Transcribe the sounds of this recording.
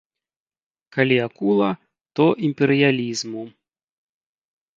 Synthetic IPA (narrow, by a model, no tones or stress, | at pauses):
kalʲiakulˠɐ | t̪ɔʔimpʲɛɾɨjalʲizmu